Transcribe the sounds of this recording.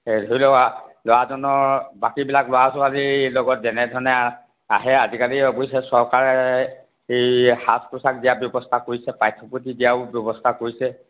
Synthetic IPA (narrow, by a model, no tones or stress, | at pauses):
edʱojlɔalowazɔnɔbakibilaklɔwasɔalilɔɡɔtzɛnɛdʱɔɹnɛa | a̰ɦɛazikaliɔbɔjsɛsɔɹkaɹɛ | ejhaspɹɔsak̚dijabjɔbɔstʰakoɹisɛpajtʰːɔputidiaʊbjɔbɔstʰakoɹisɛ